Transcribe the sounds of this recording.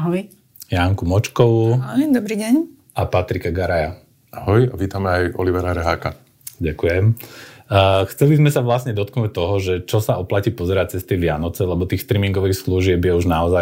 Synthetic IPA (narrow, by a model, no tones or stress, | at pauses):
aɦɔj | jaŋkumɔt͡ʃkɔʋuɦɔjd̪ɔbɾiːɟɛɲ | ʔapat̪ɾikaɡaɾaja | aɦɔjaʋiːt̪amɛajɔ̰liʋɛɾaɾɛɦaːka | ɟakujɛmː | xt͡sɛlizmɛsaʋlasɲɛd̪ɔt̪knuːc̚t̪ɔɦɔʒɛt͡ʃɔsaɔplaciːpɔzɛɾac̚t͡sɛst̪iɛʋɪanɔt͡sɛlɛbɔt̪iːxst̪ɾiːmiŋɡɔʋiːxsluʒɪɛbjɛuʒnaɔza